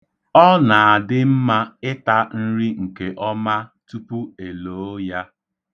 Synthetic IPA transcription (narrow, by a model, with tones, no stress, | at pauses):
ɔ˦na˨a˨dɪ˦m̩˦ma˦ɪ˦ta˦n̩˦ɾi˦ŋ̩˨ke˨ʔɔ˦ma˦tu˦pu˦e˨loː˨˦ja˦